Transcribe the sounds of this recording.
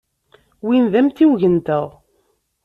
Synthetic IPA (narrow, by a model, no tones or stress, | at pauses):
winðæmt̪iwʝənt̪əʁ